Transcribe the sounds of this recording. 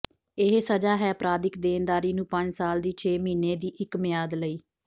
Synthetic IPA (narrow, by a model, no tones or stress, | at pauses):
ɪɦsəd͡ʒaːɦɛːəpɾaːd̪ɪkd̪eːnd̪aːɾiːnũːpəɲd͡ʒsaːld̪iːt͡ʃʰeːmiːneːd̪iːʔɪkmɪjaːd̪ləiː